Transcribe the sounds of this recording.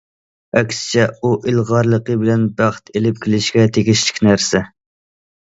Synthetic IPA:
ɛkʲsɪ̥t͡ʃʰɛuʔɪlˠʁɑɾlˠəqəbɪlɛnbæχt̪ʰelɪp̚kʲʰɪlɪʃkʲɛt̪ʰeɡʲiʃlɪ̥kʲnæɾsɛ

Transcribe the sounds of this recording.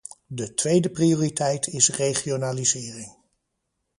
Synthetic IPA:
dətʋejdəprijʊːritɛjtʰɪsrejχionaːlizɪːrɪŋ

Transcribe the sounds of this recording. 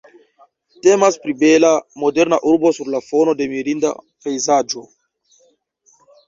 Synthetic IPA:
temaspɾibelamodeɾnaʔuɾbosuɾlafono̞de̞miɾinda̰ | pejzad͡ʒo

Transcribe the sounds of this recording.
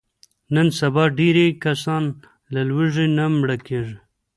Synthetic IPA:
nənsabɑɖiɾekasɑn | lalwiʐenamɽakeʐe

